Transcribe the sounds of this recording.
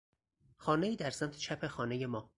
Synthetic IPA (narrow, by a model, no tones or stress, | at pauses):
xɒːne̞iːd̪æɾsæmt̪ʰe̥t͡ʃʰæpʰe̞xɒːne̞jemɒː